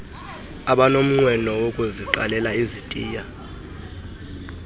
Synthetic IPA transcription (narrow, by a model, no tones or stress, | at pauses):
aɓanom̩ŋ͡ǀwɛnɔwokʼuziǃa̰lɛlaizitʼiːja